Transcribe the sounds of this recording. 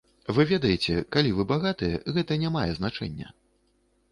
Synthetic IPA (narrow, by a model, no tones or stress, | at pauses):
vɨvʲɛd̪ɐjet͡sʲɛkalʲivɨbaɣat̪ɨjɛɣɛt̪ɐnʲamajɛznat͡ʂɛ̰nʲːɐ̰